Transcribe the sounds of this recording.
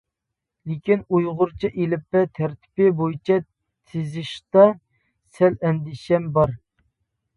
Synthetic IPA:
lɪkʲinujʁʊɾt͡ʃʰiʔelɪpːɛt̪ʰɛɾt̪ʰɪ̥pɪbojit͡ʃʰɛ | t̪ʰɪzɪʃt̪ɑ | sɛlɛnd̪ɪʃɛmbɑɾ

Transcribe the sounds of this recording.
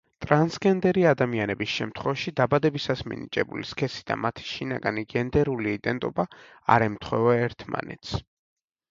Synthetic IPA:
t̪ʼɾansɡɛnd̪ɛɾiad̪amianɛbisʃɛmt̪ʰχwɛvaʃid̪abad̪ɛbisasmḭnit͡ʃʼɛbuliskʰɛsi̥d̪̥a̰mat̪ʰi̥ʃinaɡaniɡɛnd̪ɛɾuliːd̪ɛnt̪ʼɔba | a̰ɾɛmt̪ʰχwɛvaɛɾt̪ʰma̰nɛ̰t̪sʰ

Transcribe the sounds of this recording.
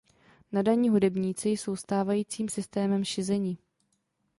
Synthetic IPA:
nadaɲiːɦudɛbɲiːt͡sɪjso̞wst̪aːvajiːt͡siːmsɪst̪ɛːmɛmʃɪzɛɲiː

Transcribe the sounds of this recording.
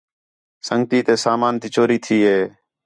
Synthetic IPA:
səŋɡ̚t̪iːt̪eːsaːmaːnt̪iːt͡ʃoːɾiːt̪ʰiːɦeː

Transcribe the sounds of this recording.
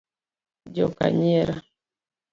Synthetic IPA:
d͡ʒɔka̰ɲɛɾa

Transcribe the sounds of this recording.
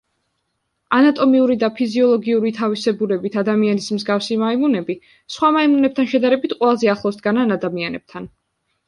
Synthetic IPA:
anat̪ʼɔmiuɾid̪apʰiziɔlˠɔɡiuɾit̪ʰavisɛbulɛbit̪ʰad̪amianismzɡafsimaimunɛbi | sχwamaimunɛb̚t̪ʰanʃɛd̪aɾɛbit̪qʼwɛlˠazɛaχlˠɔsd̪̚ɡananad̪amianɛb̥̚t̪ʰan

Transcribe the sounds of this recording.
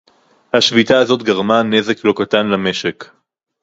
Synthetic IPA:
haʃvit̪aːzo̞t̪ɡaʁmane̞zeklo̞kat̪anlameʃek

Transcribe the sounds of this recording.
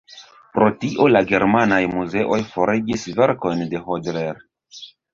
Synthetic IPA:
pɾo̞tiʔo̞laɡe̞ɾmanajmuze̞ʔo̞jfo̞ɾʔed͡ʒisve̞ɾko̞jnde̞ɦodleɾ

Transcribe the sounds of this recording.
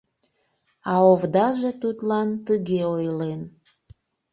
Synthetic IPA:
ɑovd̪ɑʒet̪ut̪lɑnt̪əɣeojlen

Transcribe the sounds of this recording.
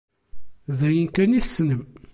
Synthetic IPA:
ðæjənkæniθsːnəm

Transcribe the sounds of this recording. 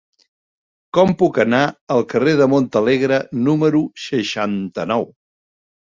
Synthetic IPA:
kɔmpukənaəlˠkəreðəmont̪əleɣɾənuməɾusəʃant̪ənɔw

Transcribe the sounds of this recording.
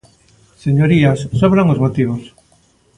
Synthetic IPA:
seɲoɾiasːoβɾaŋozmot̪iβ̞os

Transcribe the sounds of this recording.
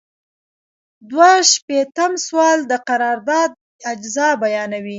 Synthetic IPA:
d̪waʃpet̪amswɑld̪əqaɾɑɾd̪ɑd̪̚ | ad͡ʒzɑbajɑnawi

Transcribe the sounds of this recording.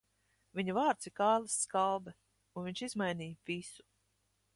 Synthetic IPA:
viɲuvaːɾt̪siɾkaːlˠasːkalˠbɛ | unviɲʲt͡ʃizmajnʲiːjvisu̥

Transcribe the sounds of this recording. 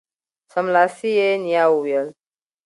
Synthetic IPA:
səmlasijeniawujəl

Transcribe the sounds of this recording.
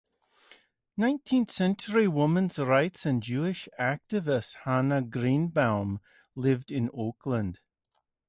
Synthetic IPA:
nãɪ̃ntʰĩnθsɛ̃nt͡ʃəɹiwʊmə̃nzɹaɪtsə̃nd͡ʒʉːɪʃak̚tɪvɪsthanəɡɹĩːnbãʊm | lɪvdɪ̃noːˑkʰlə̃nd̥

